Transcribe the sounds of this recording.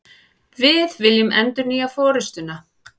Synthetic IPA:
vɪðvɪljɪmɛnt̪ʏniːjafɔːɾɪst̪ʏna

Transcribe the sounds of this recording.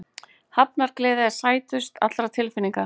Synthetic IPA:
hap̚naɾklɛːðɪɛ̥saːjt̪ʏst̪a̰t̪ɾat̪ʰɪlfɪniŋkḁ

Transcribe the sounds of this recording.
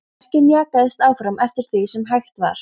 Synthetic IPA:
r̥cɪmjaːkaðɪst̪aːwfɾamɛft̪ɪɾ̥θisɛmɦajxt̪va̰ɾ̥

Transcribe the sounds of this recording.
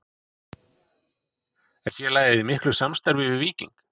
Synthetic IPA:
ɛnsjɛlaːjðɪðɪmɪhklʏsamst̪aɾvɪvɪviːcḭ̃ŋk

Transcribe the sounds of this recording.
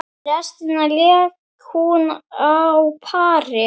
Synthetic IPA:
ɾɛst̪ɪnalɛːk | hunawpʰaːɾɪ

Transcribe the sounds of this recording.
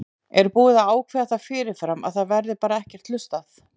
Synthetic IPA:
ɛɾpuːɪðaaːwkʰvɛaθafɪːɾɪɾ̥fɾama̰ðθaðvɛɾðɪpaːɾaɛhcɛɾ̥t̪lʏst̪aθ

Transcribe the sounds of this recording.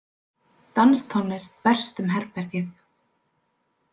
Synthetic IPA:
t̪anst̪ʰɔnːɪst̪pɛr̥st̪ʏmɦɛɾpɛɾcɪθ

